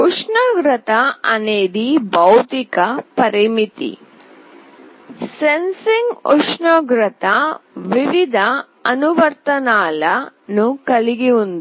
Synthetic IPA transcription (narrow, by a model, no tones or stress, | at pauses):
uʂɳɐɡɾɐt̪ɐɐneːd̪ibɐwt̪ikɐpɐɾimit̪ḭ | sensiŋɡuʂɳɐɡɾɐt̪ɐʋiʋid̪ʱɐ | ɐnuʋɐɾt̪ɐnaːlɐnukɐliɡiund̪u